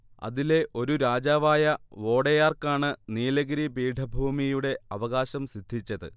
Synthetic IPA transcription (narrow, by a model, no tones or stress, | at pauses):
ɐ̰ðile̞ʔo̞ɾuɾaːd͡ʑaːʋaːjɐʋo̞ːɽejaːrkaːɳɨniːlɐɣɾibiːɖʱɐbʱuːmijuɽe̞ɐʋɐɣaːɕɐmsid̪ʱːit͡ɕːɐðɨ̰